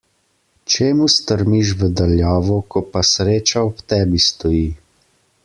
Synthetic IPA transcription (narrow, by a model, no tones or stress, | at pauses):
t͡ʃeːmust̪əɾmiʃ̬ʋəd̪aljɔːʋɔkɔpasɾeːt͡ʃaɔpt̪ɛːbist̪ɔjiː